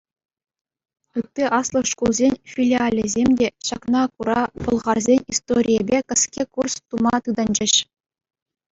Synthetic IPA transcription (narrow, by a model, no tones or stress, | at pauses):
ɯt̪ʲːeʔɑslˠɤ̆ʂkulˠzʲenʲfʲilʲialʲezʲemʲdʲeɕɑknɑkuɾɑpɤ̆lˠʁɑrzʲenʲist̪oɾʲijebʲekɤ̆skʲekurst̪umɑt̪ɯd̪ɑnʲd͡ʑɘ̆ɕ